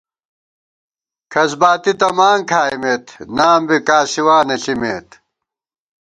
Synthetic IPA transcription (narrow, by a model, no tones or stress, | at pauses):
kʰɐsbaːt̪it̪ɐmaːŋkʰaːjmeːt̪naːmbikaːsiwaːnɐɬimeːt̪